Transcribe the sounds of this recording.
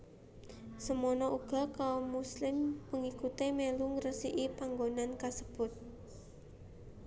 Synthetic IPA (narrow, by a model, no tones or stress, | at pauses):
səmɔnɔʔuɡ̥a̤kaomuslɪmpəŋikut̪emeluŋrəsiʔipaŋɡonankasəb̥ʊt̪̚